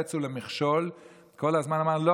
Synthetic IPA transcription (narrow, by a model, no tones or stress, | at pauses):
t͡sulemiχʃol | kʰolazmanamaʁlo